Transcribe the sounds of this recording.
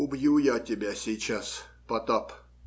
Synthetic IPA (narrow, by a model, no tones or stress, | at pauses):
ʊbjujatʲɪbʲasʲɪjt͡ɕaspɐt̪op